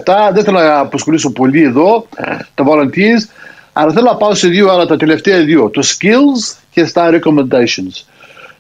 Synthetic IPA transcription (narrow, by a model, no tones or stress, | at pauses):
t̪ɐðeθelonɐːposxoliso̞po̞lieðo̞t̪ɐvolɐnt̪iz | ɐɾɐθe̞lonɐpɐoseðioɐɾɐt̪ɐt̪e̞le̞ft̪eɐðiot̪uscilzce̞st̪ɐɾeko̞mend̪ɐsons